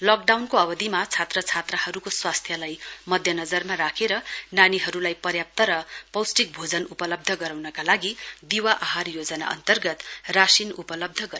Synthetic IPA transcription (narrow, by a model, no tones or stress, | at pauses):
lʌk̚ɖawnkoʌbʌd̪imat͡sʰat̪rʌt͡sʰat̪rahʌɾukoswast̪ʰjʌlajmʌd̪ʱjʌnʌd͡zʌrmaɾakʰeɾʌnaniɦʌɾulajpʌrjap̚t̪ʌɾʌpʌwsʈik̚bʱod͡zʌnupʌlʌb̚d̪ʱʌɡʌɾawnʌkalaɡid̪iwaʔʌɦarjod͡zʌna̰ʔʌ̰nt̪ʌrɡʌt̪rasinupʌlʌb̚d̪ʱʌɡʌ